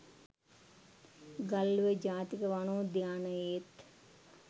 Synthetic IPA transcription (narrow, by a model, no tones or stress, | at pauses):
ɡalːuʋəd͡ʒaːt̪ikəʋanoːd̪jaːnəjet̪